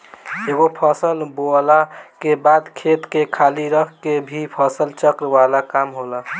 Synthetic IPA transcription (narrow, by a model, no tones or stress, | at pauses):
eɡopʰəsəlbolakebad̪kʰet̪kekʰaːliɾəkʰkebʱipʰəsəlt͡ʃəkɾʋalakamɦola